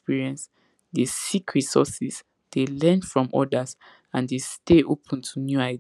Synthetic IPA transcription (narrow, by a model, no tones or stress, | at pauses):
piɹiɛ̃ns | desikʰɹisɔsis | d̥elɛ̃nfɹɔ̃mʔɔ̰daz | ãndesteʔopʰə̃ntʰunjuaɪ